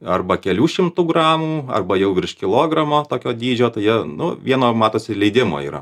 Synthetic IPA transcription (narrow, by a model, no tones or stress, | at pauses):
ɐrbɐkʲɛlʲuːʃʲɪmt̪uɡrɑːmuːɐ̰rbɐjɛʊʋʲɾʲɪʃkʲɪlˠoːɡɾɐmoːt̪oːkʲoːd̪ʲiːd͡ʒʲoːt̪ɐɪjɛnʊʋʲiɛnoːmɑːt̪oːsʲɪlʲɛɪd̪ʲɪmo̰ḭːɾɐ̰